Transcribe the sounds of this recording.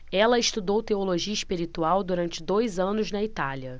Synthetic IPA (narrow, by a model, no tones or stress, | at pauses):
ɛlɐɪʃt̪ud̪owt̪eoloʒiɐiʃpiɾit̪uawd̪uɾɐ̃nt͡ʃɪd̪ojzɐ̃nʊznɐit̪aliɐ